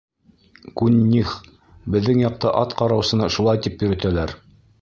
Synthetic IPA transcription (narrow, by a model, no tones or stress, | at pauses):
kunʲːiχ | bɘ̆ðːɘŋjɑq̚t̪ɑʔɑt̪qɑɾɑwsɤ̆nɑʃulˠɑjt̪ipjɵ̆ɾɘ̆t̪ælæɾ